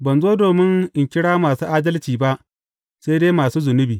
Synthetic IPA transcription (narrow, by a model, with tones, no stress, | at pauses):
bɐ˨nzoː˦doː˨mɪ˦ŋʔɪ˨ŋkʲɪ˦ɽaː˦maː˨suː˦ʔaː˦dɐ˦lt͡ʃiː˨ba˦ʔ | seː˦jdeː˦maː˨suː˦zʊ˨nʊ˦biː˨